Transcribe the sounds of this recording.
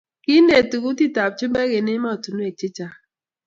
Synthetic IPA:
ki˦n˦de˨tu˨ku˦ti˦ta˨p̚t͡ʃu˦bɛ˦ke˨ni˦ma˦o˨tu˨nu˦e˨t͡ʃi˦t͡ʃa˦

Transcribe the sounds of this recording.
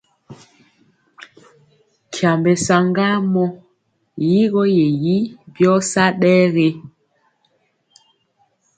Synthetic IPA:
kʰja˨mbe˨sa˨ŋɡa˦mɔ˦ | ji˦ɣɔ˦je˨ji˦bjɔ˦sa˦ɗɛː˦ɣe˦

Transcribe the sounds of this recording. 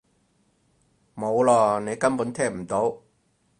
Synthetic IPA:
mo˨˧wlɔː˧˩ne˨˧jkɐ˥mpuː˨˥nt̪ʰɛː˥m̩˨˩t̪o˨˥w

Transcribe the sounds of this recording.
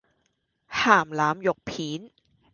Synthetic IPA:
haː˨˩mlaː˦˥mjo˨˩k̚pʰiː˩˦n

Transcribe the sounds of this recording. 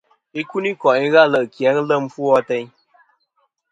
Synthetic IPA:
i˦ku˦ni˦kɔ˨ʔi˦ɣa˦˨lə˦˨ʔkja˨˦ŋ˦lə˦˨m̩˦fu˦ɔ˦tɛ˦ɲ

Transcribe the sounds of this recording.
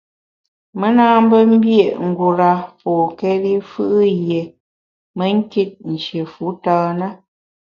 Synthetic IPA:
mə˦na˦m˦bə˦m̩˦bje˦˨ʔŋ̩˨ɡu˨ɾa˨pɔː˨kɛ˦li˦fɯ˦ʔje˨ | mə˦ŋ̩˦ke˦t̚n̩˨t͡ʃje˨fu˨˦taː˦nə˦

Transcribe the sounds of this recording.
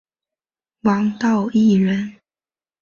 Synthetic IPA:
wɑ˧˥ŋt̪ɑ˥˧ʊi˥˩ɻə˧˥n

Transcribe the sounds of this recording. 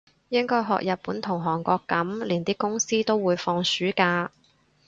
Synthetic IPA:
jɪ˥ŋkɔː˥jɦɔ̰ː˨k̚jʔɐ˨t̚puː˨˥nt̪ʰʊ˨˩ŋɦɔː˨˩ŋkʷɔː˧kːɐ˨˥mliː˨˩nt̪iː˥kʊ˥ŋsiː˥t̪o˥wwuː˨˧jfɔː˧ŋsyː˨˥kaː˧

